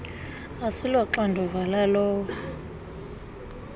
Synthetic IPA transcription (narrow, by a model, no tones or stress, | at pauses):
asilwaǁandʱɔvalalɔːw